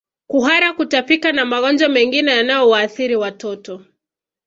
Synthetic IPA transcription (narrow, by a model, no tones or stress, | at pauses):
kuɦaɾakutafikanamaɣɔnd͡ʒamɛŋɡinɛjanajɔwaːθiɾiwatɔtɔ